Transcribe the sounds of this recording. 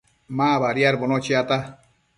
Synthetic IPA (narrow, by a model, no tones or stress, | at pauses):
maβaɾjaɾbonot͡ʃiat̪a